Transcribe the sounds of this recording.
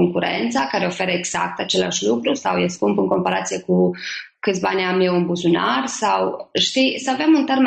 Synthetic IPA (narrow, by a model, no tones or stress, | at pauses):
oŋkuɾḛnt̪sakaɾe̞o̞fe̞ɾəeɡz̥a̰k̚t̪at͡ʃe̞la̰ʃlukɾusawjeskumpɨŋko̞mpaɾat̪sije̞ku | kɨt̪sʲbanʲamːjewunbuzunarsawʃt̪isəavemunt̪erme